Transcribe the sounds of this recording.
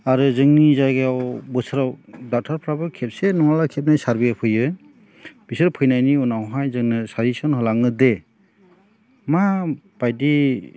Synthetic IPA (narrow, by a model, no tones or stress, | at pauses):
aɾɯzɯŋnizajɡeawbɯsɯɾawdatʰaɾpʰɾabɯkʰep̚senɔŋalakʰep̚najsaɾbipʰɯjɯ | b̥isɯɾpʰɯjnajniunawɦajzɯŋnɯsaɾisɔnhɔlaŋɯde | ma | b̥ajdi